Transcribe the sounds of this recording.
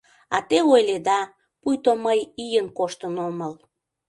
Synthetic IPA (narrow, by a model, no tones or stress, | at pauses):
ɑt̪eojled̪ɑ | pujt̪oməjijənkoʃt̪ənoməl